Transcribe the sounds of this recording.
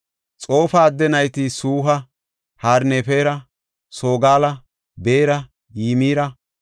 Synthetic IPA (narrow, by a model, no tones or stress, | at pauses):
t͡sʼo̞ːfaːd̪ːɛnɐjt̪ɪsuːɦɐ | haːɾnefeːɾɐ | so̞ːɡaːlɐ | beːɾɐ | jiːmiːɾɐ